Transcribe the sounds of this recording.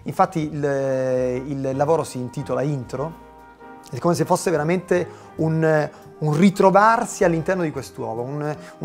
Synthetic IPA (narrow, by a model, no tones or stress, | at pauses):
iɱfat̪ːil | illːavoːɾosiːnt̪iːt̪olaint̪ɾo | ɛkːomes̬efːosːeveɾament̪e | un | unrit̪ɾovarsialːint̪ɛrnod̪ikwest̪wɔ̰ːvounu